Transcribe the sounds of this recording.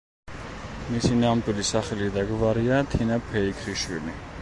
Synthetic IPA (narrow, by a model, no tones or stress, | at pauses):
misinamd̪ʼwilisaχɛlid̪aɡvaɾiat̪ʰinapʰɛikʰɾiʃwḭli